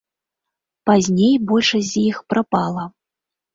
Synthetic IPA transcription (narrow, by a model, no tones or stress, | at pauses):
pazʲnʲejbɔlʲʂɐsʲzʲjixpɾapalˠɐ